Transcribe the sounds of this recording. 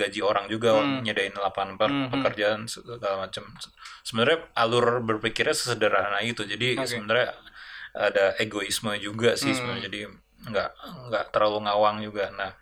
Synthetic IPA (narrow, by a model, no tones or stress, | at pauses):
ɡad͡ʒioɾaŋd͡ʒuɡaɲadaɪnlapanpərpəkərd͡ʒansəsəɡalamat͡ʃəmsəbənaɾɲaalʊrbərpikɪrɲasə̥sədəɾaɦanait̪ud͡ʒadisəmənaɾɲa | adaeɡoisməd͡ʒuɡasɪsəmd͡ʒadi | ŋɡaʔŋɡaʔt̪əɾaluŋawaŋd͡ʒuɡanah